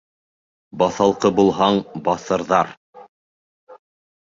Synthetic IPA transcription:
bɑθɑlˠqɤbulˠɦɑɴbɑθɤ̆ɾðɑɾ

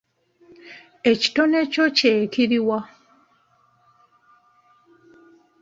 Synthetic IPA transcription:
eci̥tonecoceːkiɾiwa

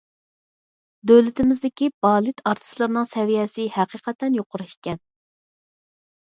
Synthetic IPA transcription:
d̪ølɪt̪ɪmɪzd̪ɪkʲibɑːlˠɨt̪ʰɑɾt̪ʰɨ̥slˠɨɾnɨŋsɛvijɛsɪhæqʰəqʰɛt̪ɛnjoqʰʊɾɨi̥kʲɛn

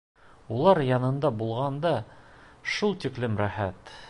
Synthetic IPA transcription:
ulˠɑɾjɑnɤ̆nd̪ɑbulˠʁɑnd̪ɑ | ʃulˠt̪iklɘmɾæχæt̪

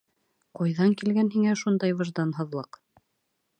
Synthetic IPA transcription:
qojðɑŋkilɡænhiŋæʃund̪ɑjβɤ̆ʒd̪ɑnɦɤ̆ðlˠɤq

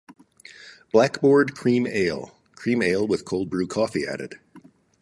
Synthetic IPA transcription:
b̥lækb̥ɔɹd̚kʰɹ̥ĩmḛɪlˠ | kʰɹ̥ĩmeɪlˠwəð̥kʰoʊlˠd̚bɹʉkʰɔfiæ̰ɾɨ̰d̥

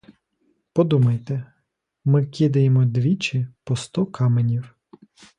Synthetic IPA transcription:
pɔd̪umɐjt̪ɛ | mɪkʲid̪ɐjemɔd̪ʋʲit͡ʃɪpɔst̪ɔkʰɑmenʲiw

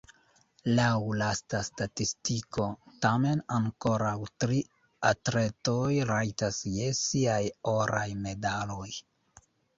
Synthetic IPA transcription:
lawlastastatistiko̞tame̞naŋko̞ɾawtɾi | atɾe̞tojɾajtasjesiajoɾajme̞dalo̞j

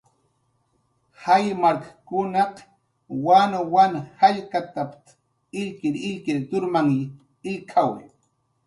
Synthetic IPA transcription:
hajmaɾkḁkʊnɑq | wanowanhaʎkat̪apt̪ | ɪʎkɪɾɪʎkɪɾt̪ʊɾmaŋ | ɪlkʰawḛ

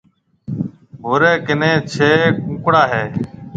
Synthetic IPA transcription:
ɦoːɾeːkɪnẽːt͡ʃʰeːkũːkɽaːɦeː

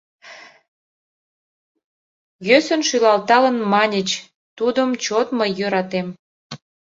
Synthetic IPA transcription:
jøsənʃylɑlt̪ɑlə̆nmɑnʲət͡ɕ | t̪ud̪əmt͡ɕot̪məjːøɾɑt̪em

